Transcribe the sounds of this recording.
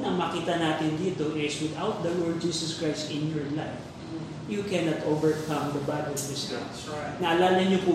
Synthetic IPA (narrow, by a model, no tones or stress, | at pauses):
nɐŋmɐkiːt̪ɐnaːt̪ɪnd̪iːt̪oʔɪswɪðawt̪̚d̪ɐlɔɹd̪̚d͡ʒiːsɐskɹajst̪ɪ̃njɔɹlajf | jukɛnɐt̪ʔovɛɹkɐ̃md̪ɐbaɡɐt̪sɪst̪ɪ̰m | nɐʔɐlaːlɐɲopʊ